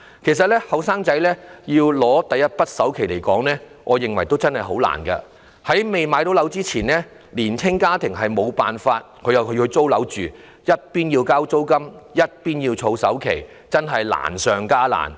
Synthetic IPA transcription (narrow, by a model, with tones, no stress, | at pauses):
kʰe˨˩js̬ɐ˨t̚lɛː˥hɐ˨˧wsaː˥ŋt͡sɐ˨˥jlɛː˥jiː˧wlɔː˨˥t̪ɐ˨jɐ˥t̚pɐ˥t̚sɐ˨˥wkʰe˨˩jle˨˩jkɔː˨˥ŋnɛː˥ | ŋʔɔː˨˧jɪ˨ŋwɐ˨˩jt̪o˥wt͡sɐ˥nhɐ˨jɦo˨˥wla̰ː˨˩nkɐ˧ | hɐ˨˥jme˨jmaː˨˧jt̪o˨˥wlɐ˨˥wt͡siː˥t͡sʰiː˨˩nlɛː˥ | liː˨˩nt͡sʰɪ˥ŋkaː˥t̪ʰɪ˨˩ŋɦɐ˨jmo˨˧wpaː˨˩nfaː˧t̚kʰɵ˨˧ɥjɐ˨wkʰɵ˨˧jɵ˧t͡so˥wlɐ˨˥wt͡ʃyː˨ | jɐ˥t̚piː˥njiː˧wkaː˥wt͡so˥wkɐ˥mjɐ˥t̚piː˥njiː˧wt͡sʰo˨˧wsɐ˨˥wkʰe˨˩j | t͡sɐ˥nɦɐ˨jla̰ː˨˩nsœː˨ŋkaː˥la̰ː˨˩n